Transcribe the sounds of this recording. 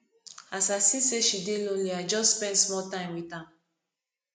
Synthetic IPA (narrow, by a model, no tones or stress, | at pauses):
asasĩseʃidelõnliaɪd͡ʒɔsspɛ̃ndsmɔltãɪ̃mwitã